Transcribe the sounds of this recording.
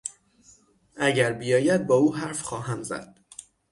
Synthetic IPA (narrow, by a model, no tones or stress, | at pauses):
ʔæɟæɾbijɒːjæd̪̚bɒːuːɦæɾfxɒːɦæmzæ̰d̪̥